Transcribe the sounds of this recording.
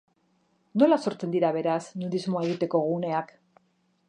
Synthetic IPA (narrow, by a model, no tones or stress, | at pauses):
no̞laso̞ɾt͡se̞nd̪iɾaβe̞ɾasnuðizmoae̞ɣ̞it̪e̞ko̞ɣ̞une̞ak